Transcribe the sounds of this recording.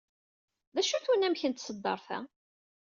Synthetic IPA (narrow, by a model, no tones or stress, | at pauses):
ðæʃuθwənæmçənt̪səd̪ːɑ̰ɾˤθæ̰